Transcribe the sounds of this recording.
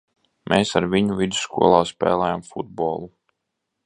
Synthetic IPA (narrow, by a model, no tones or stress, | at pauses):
mʔeːsaɾvʲiɲuvʲid̪u̥skṵɔlˠaːspɛ̰ːlˠɛːjamfud̪̚bɔːlˠu